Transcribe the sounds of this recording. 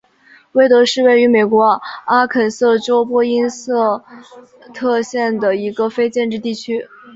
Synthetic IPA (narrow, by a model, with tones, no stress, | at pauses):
we˥˩ɪt̪ɤ˧˥ʂɻ̩˥˧we˥˩ɪy˧˥me˨˩ɪkwɔ˧˥a˥kʰə˨˩nsɤ˥˩ʈ͡ʂo˥ʊpwɔ˥i˥nsɤ˥˩ | t̪ʰɤ˥˧ɕjɛ˥˩nd̪ə˩i˧˥ɡə˧fe˥ɪt͡ɕjɛ˥˧nʈ͡ʂɻ̩˥˧t̪i˥˩t͡ɕʰy˥